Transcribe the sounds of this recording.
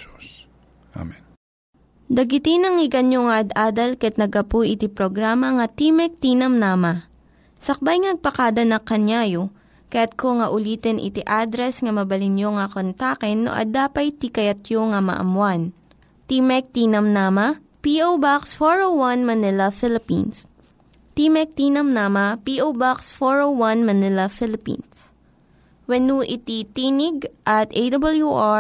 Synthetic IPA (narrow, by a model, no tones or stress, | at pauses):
a̰mɛn | d̪ɐɡɪt̪ɪnɐŋɪɡɐnjoŋɐʔɐd̪aːd̪ɐlkɐɛt̪̚nɐɡɐpujʔɪt̪ipɾoɡɾaːmɐŋɐt̪imɛk̚t̪inɐmnaːmɐ | sɐk̚bajŋɐnɐɡ̚pɐkad̪ɐnɐkɐnjaːjo | kɐjat̪̚koŋɐʔʊliːt̪ɛnʔɪ̰t̪iʔad̪ɾɛsŋɐmɐbɐlɪnjoŋɐkont̪akɛnːo̰ʔɐ̰d̪aːpɐjt̪ikɐjɐt̪̚joŋɐmɐ̰ʔɐ̰mwan | t̪imɛk̚t̪iːnɐmnaːmɐ | piʔowbaksfoɹowwɐnmɐnɪlɐfɪlɪpḭns | t̪imɛk̚t̪inɐmnamɐpiʔowbaksfoɹowwɐnmɐnɪlɐfɪlɪpḭns | wɛnuʔɪt̪it̪inɪɡʔɐt̪ʔejd̪ɐbɐljuʔa